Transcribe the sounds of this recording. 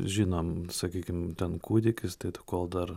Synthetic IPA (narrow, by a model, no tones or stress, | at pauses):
ʒʲinomsɐkʲiːkʲɪmt̪ʲɛnkuːd̪ʲɪkʲɪst̪ɐɪt̪ɐkoːlˠd̪ɐr